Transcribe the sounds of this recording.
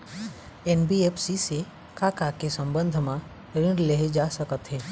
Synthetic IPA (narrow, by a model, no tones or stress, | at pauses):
ɛːnbieːpʰsise | kaːkakesə̃mbə̃nd̪ʱmã | ɾɪ̃ɳleɦed͡ʒaːsəkət̪ɦɛː